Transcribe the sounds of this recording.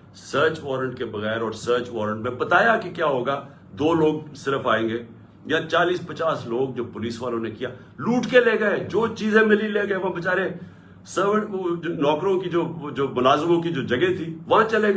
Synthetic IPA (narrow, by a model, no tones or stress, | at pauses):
səːɾt͡ʃʋɔːɾəɳʈkebəɣɛːɾɔːɾsəːɾt͡ʃʋɔːɾə̃ɳʈmɛ̃pət̪aːjakekjaːɦoːɡaː | d̪oːloːɡ̚sɪɾəfaːẽːŋɡeː | jãːt͡ʃaːliːspət͡ʃaːsloːɡ̚d͡ʒoːpʊliːsʋaːlõnekɪjaː | luːʈkeleːɡəeːd͡ʒoːt͡ʃiːzẽmɪlileːɡəeʋãbət͡ʃaːɾe | səbnɔːkɾõkid͡ʒoːd͡ʒoːmʊlaːzmõkid͡ʒoːd͡ʒɐɡẽt̪ʰiːʋɐɦãt͡ʃəlẽːɡ